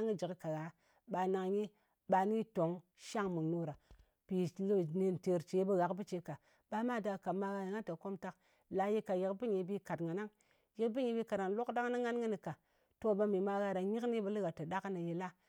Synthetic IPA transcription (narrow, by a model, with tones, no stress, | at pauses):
ŋi˦d͡ʒi˨kka˨ɣa˨˦ | ɓa˧na˧ŋji˦ | ɓa˧ni˦to˨˦ŋ | ʃa˦ŋmu˨nu˦ɾa˨ | pi˨lne˧nte˨ɾt͡ʃe˨˦bə˦ɣa˨kbi˦t͡ʃe˨ka˨ | ba˦ma˦˨da˨ka˨ma˧ɣa˧ɾa˨ŋa˦nta˨ko˦mta˧k | la˧ji˦ka˨ji˨kbi˦ɲi˨bi˧ka˨tŋa˨na˦ŋ | ji˨kbi˦ɲi˧bi˧ka˨da˨˦lo˦kda˦ŋ˦na˦ŋː˦a˦nŋə˦ni˨ka˨ | to˦ba˧mi˨ma˧ɣa˧ɾa˨ɲi˦kni˦bə˦li˦ɡa˨ta˨da˦kna˨ji˧la˦